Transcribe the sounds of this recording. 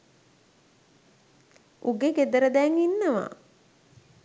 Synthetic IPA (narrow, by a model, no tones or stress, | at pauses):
ʔuɡeɡed̪əɾəd̪ɛŋinːəʋa̰